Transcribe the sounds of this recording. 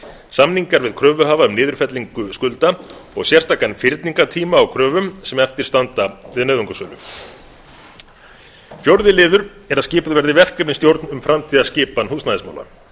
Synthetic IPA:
samniŋkaɾvɪðkʰɾœːvʏɦaːvaʏmnɪːðʏɾ̥fɛt̪liŋkʏskʏlt̪aɔ̰ɣsjɛr̥st̪aːkanfɪɾt̪niŋkat̪ʰiːmaːwkʰɾœːvʏmsɛmɛft̪ɪɾ̥st̪ant̪avɪðnœːðuŋkasœːlʏ̰m | fjowɾðɪlɪːðʏɾ | ɛɾaðscɪːpʏðvɛɾðɪvɛr̥kɛpɪnst̪jowɾt̪nʏmfɾamt̪ʰiːðascɪːpanhuːsnaːðɪsma̰ːwla̰

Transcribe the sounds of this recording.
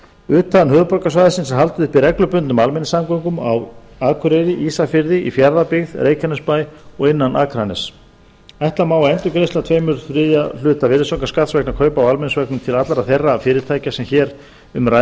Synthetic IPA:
ʏːt̪ʰːaðanhœːðpɔɾkasvajðasɪnsɛɦalt̪ʏðɪhpɪɾɛklʏpʏnt̪nʏmalmɛnɪsamkowŋkʏmawaːkʰʏɾejɾɪʔisafɪɾðɪʔḭfjaɾðapɪɣðɾʔeːjcʰanʏspajɔɣɪnːanʔa̰ːkʰɾanɛs | ajht̪lamaːwaɛnt̪ʏkɾejst̪at̪ʰveːjmʏɾθɾɪðjal̥ʏːt̪avɪɾɪsowŋkaskat̪svɛknakʰœːɥpaawalmɛnɪsvɛknʏmt̪ʰɪlat̪laɾaθerːafɪːɾɪɾt̪ʰaːjcasɛmçɛːɾ | ʏmɾa

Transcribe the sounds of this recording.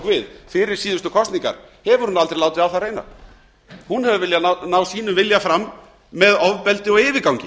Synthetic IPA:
kvɪðfɪɾɪɾ̥siːðʏst̪ʏkʰɔst̪niŋka̰ɾ̥hɛvʏɾ̥hunalt̪ɾejlaːwt̪ɪðawθarejna̰ɾ | hunhɛvʏvɪljannaːwsiːnʏmvɪljafɾamː | ɛðɔvpɛlt̪ɪɔɣɪːvɪkawŋɲcɪ

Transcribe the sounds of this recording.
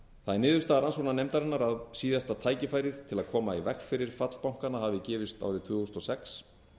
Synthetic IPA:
θaðɛɾnɪːðʏst̪aɾansuɣnanejmt̪aɾɪnːaɾaðsiːðjast̪at̪ʰaːjcɪfaːjɾɪðt̪ʰɪlaðkʰɔːmaivɛxfɪɾɪɾ̥fat̪l̥pawŋ̥kanaɦavɪcɛːvɪst̪a̰wɾɪt̪ʰʏːɣɔst̪ɔsɛks

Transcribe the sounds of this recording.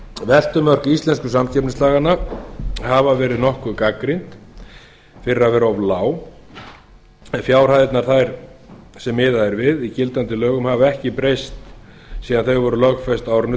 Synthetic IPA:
vɛl̥t̪ʏmœr̥kist̪lɛnskʏsamcʰɛpnɪslaːɣanahavavɛːɾɪðnɔhkʏkakɾint̪ | fɪɾɪavɛːɾɔvlaːw | ɛnfjaːwr̥ajðɪt̪naɾ̥θajɾ̥sɛmːɪːðaɛɾvɪðicɪlt̪ant̪ɪlœːɣʏmhavaɛhcɪpɾejst̪ | siːðanθœɥɣvɔɾʏlœɣfɛst̪aːwɾʏnʏ

